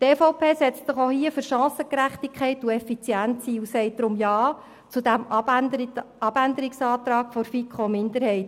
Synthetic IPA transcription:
teːfoʊpʰeːsɛt͡stsɪχohiəfɵɾʃɑ̃ːsəkɾæχt̪ikχɛɪtuɛfit͡sjænt̪siːusɛɪt̚d̥ɾʊmjɑː | t͡sud̪æm | ɑb̥ændəɾiksɑːt̪ɾɑːkfɔɾfikʰomɪnd̪əɾhɛɪt

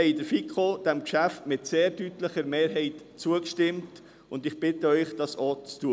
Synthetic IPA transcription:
ɛɪdəɾfikχod̥ɛmkʃæftmɪtseːɾdytləχəɾmeːɾɦɛɪt | t͡suəkʃtɪmt | ʊndɪχb̥ɪtəœʏχd̥ɑsot͡stuə

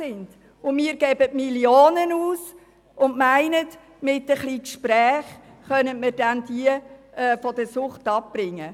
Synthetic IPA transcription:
sɪnd | ʊmiːəɾɡ̥ɛbətmiljoːnənuːs | ʊndmæɪnət | mɪtəχlikʃpɾæːχ | χœnətmədænd̥iəʔɛːfɔd̥əsʊχtɑp̚b̥ɾɪŋːə

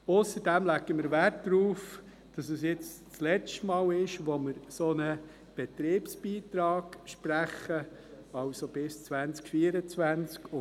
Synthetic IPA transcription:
ʊsəɾdæmlæɡəmɪɾʋært̚d̥ɾuːf | d̥ɑsəsjɪt͡s | t͡slɛt͡ʃtmɑːlɪʃʋoməɾsonə | b̥ɛt̪ɾeːpsbiːtɾɑːɡʃpɾæχːə | ɑwsob̥ɪst͡sʋænt͡skfiːəɾət͡svænt͡skʊ

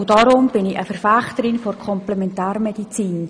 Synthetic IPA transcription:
ʊdɑɾʊmb̥ɪnɪəfəɾfæχtəɾɪnfɔrkʰɔmplɛmɛntæːɾmɛdit͡siːn

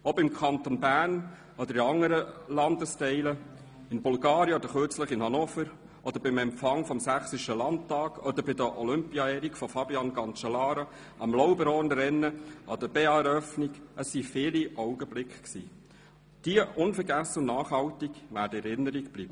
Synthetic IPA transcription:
obɪmkʰɑnt̪onbæːn | ɔd̥̪əɾiɑŋːəɾəlɑndəstɛɪlə | ɪnbulɡɑːɾjəɔdəχøt͡sləχɪnhɑnoːfəɾ | ʔɔd̥̪əɾbɪmɛmpfɑŋfɔmsæχsiʃəlɑntɑːɡɔd̪əɾbɪd̪əʔɔlʏmpiɑɛːɾikfɔfɑbiɑnɡɑnt͡ʃɑlɑːɾo | ɑmlɔʊbəɾɔnɾɛnːəʔɑd̥̪əbeːɑɛɾœfniɡəsːifɪːliʔɔwɡəblɪkχksḭː | d̥iəʔʊnfəɾɡæsəʊnnːɑːχhɑwtiɡʋæːdəɛɾɪnːəɾiɡb̥liːb̥ə

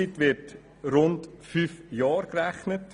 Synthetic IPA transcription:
itʋɪt | ɾʊndfyːfjɑːɾkræχnət

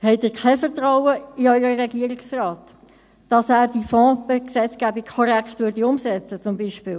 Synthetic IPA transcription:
hɛɪtɪːkʰɛfəʁtʁawəiɔʏəɾəɾɛɡiəɾiksraːt | d̥ɑsæːɾd̥ifɔ̃ːbɛksɛt͡sɡ̥æːbikkʰːɔɾɛkχtvʏɾdiʊmsɛt͡sət͡sʊmbiːʃpɪːl

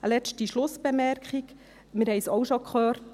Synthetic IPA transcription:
əlɛt͡ʃtiʃlʊsb̥emɛɾkχik | mɪɾhɛɪsɔwʃokʰχøːrt

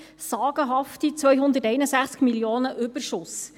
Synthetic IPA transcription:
sɑːɡ̥əɦɑftit͡sʋœjɦʊnd̪ətɛɪnəsæχt͡skmiljoːnəʔʏbəɾʃʊs

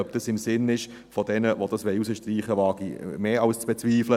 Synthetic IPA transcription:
œb̚d̥ɑsɪmsɪnɪʃ | fodɛnəʋod̥ɑsʋɛɪusəʃtriːχəʋɑːɡ̥imeːɑʊst͡sb̥ɛt͡sviːflə

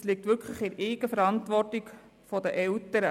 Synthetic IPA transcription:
slik̚tʋʏɾkʰχləχɪɾeːɡəfəɾɑntʋɔrtik | fɔdəʔɛltəɾə

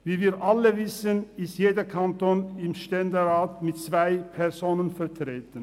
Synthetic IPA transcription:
viːviːɾʔaləvɪsənɪstjeːdəkʰantoːnɪmʃtɛndəʁaːtmɪtt͡svaɪpʰɛʁzoːnənfɛʁtʁ̥eːtən̩

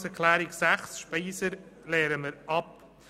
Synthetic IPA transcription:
sɛɾkʰlæːɾɪksæχsʃpiːsəɾleːɾəməɾʔɑp̚

